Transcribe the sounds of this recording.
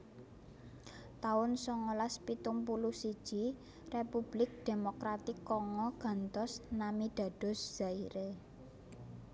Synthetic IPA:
t̪aʊnsɔŋolaspit̪umpulusid̥ʒ̥i̤ | repub̥lɪk̚d̪̥e̤mokɾat̪ikːɔŋɔɡ̥a̤nt̪ɔsnamid̪̥ä̤d̥ɔ̤sʒ̥a̤iɾe

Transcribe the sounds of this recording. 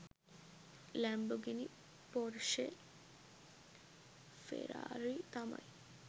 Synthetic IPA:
lɛmboɡini | pɔɾʃe | fḛɾa̰ɾit̪ama̰j

